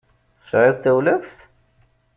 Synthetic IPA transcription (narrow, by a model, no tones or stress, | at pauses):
sʕɪðt̪ːæwlæfθ